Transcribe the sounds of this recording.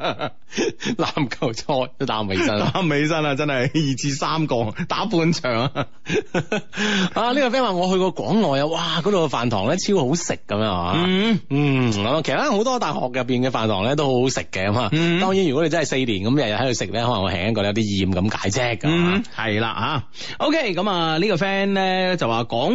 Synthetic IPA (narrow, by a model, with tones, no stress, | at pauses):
laː˨˧˥mkʰɐ˧wt͡sʰɔː˥jɛ˥laː˨˥mhe˨˧˥sɐ˥nlaː˨˥mhe˨˧jsɐ˥nɐ˨˧t͡sɐ˥nɐ˨jjiː˨˩t͡sʰiː˧saː˥mkɔː˧ŋt̪aː˨˥puː˧nt͡ʃʰœː˨˩ŋa | aː˧˩liː˥kɔ˧˩fɛ˥nwaː˨˩ŋɔː˨˧ɦɵ˧ɥkɔː˧kʷɔː˨˥ŋːɔː˨ja˧waː˧kɔː˨˥t̪o˨˧kɛ˧faː˨˩nt̪ʰɔː˨˩ŋlɛː˥t͡sʰiː˥who˨˥wsɪ˨kːɐ˨˦mː˧ŋa̰˨˦˧ | kɐ˨˦ma˨kʰe˨˩sɐ˨˩a˥ho˨˥wt̪ɔː˥t̪aː˨˩hɔ̰ː˨k̚jɐ˨pːiː˨nkɛː˧faː˨nt̪ʰɔː˨˩ŋlɛː˥t̪̬o˥who˥ho˨˥wsɪ˨˩kːɛ˧kɐ˨˦ma˨˧t̪ɔː˥ŋjiː˨˥njy˨kɔ˨˥e˧t͡shse˧jliː˨˩nkɐ˨˦m˥jɐ˨t̚ɐ˨hɐ˨˥j̪o˧sɪ˨k̚lɛː˥hɔ˨˦lɐ̰˨˩ŋɔː˨˧˩ɛ̰ː˨˩ŋjɐ˥t̚kɔː˧jɐ˨˧wt̪iː˥jiː˨˩mkɐ˨˧˥mka̰ː˨˥jt͡sɛː˥kɐ˦˨hɐ˨jla̰ː˧ɦaː˨˧ | ʔo˥wkʰe˥˩kɐ˨˦˥maː˨˧liː˥kɔ˧fɛː˥nlɛː˥t͡sɐ˨waː˨˩kɔː˨˥ŋ